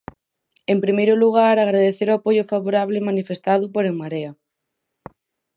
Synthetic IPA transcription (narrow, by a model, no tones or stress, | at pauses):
empɾimejɾʊluɣ̞aɾaɣɾaðeθeɾoapojʊfaβoɾaβlɪmanifest̪aðʊpoɾeŋmaɾea